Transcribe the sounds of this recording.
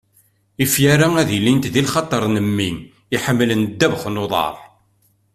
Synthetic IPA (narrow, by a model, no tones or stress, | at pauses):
ifjaɾææðilːint̪ðilχɑt̪ˤːəɾˤnəmːin | iħəmːlənd̪ːævχnoðˤɑ̰ɾˤ